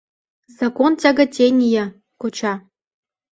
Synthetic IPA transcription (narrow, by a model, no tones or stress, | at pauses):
zɑkontʲɑɡə̆tʲenʲijə̆ | kot͡ɕɑ